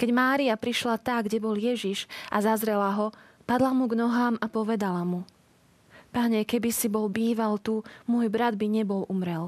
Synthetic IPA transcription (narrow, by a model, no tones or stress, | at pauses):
kɛɟmaːɾiapɾiʃlat̪aɡɟɛbɔljɛʒiʒʔazazɾɛlaɦɔ | pad̪lamuɡnɔɦaːmapɔʋɛd̪alamu | paɲɛkɛbisibɔlbiːʋalt̪umʊɔjbɾad̪̚biɲɛbɔlumɾɛl